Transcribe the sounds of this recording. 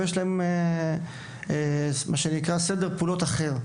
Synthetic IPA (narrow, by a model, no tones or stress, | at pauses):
jeʃlaeme | mʔaʃenikʁased̪eʁpuːlo̞t̪aχe̞ʁ